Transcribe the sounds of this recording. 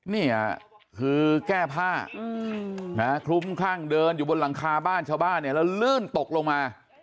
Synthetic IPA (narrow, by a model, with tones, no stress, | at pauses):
nḭː˥˩ | kʰɯː˧kɛː˥˩pʰaː˥˩˧ | na˦˥kʰɾu˦˥mkʰɾaː˥˩ŋdɤː˧njuː˨˩bo˧nɾa˩˦ŋkʰaː˧baː˥˩nt͡ɕʰaː˥˩wbaː˥˩nːi˥˩ɐlɛ˦˥˩wlɯː˥˩nt̪o˨˩k̚lo˧ŋmaː˧